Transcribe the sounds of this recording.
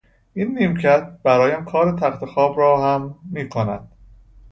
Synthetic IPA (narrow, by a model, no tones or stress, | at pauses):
ʔinːiːmcʰæt̪̚b̥æɾɒːjæmkʰɒːɾet̪ʰæxt̪ʰexɒːbɾɒːhæmːiːkʰonæd̪̥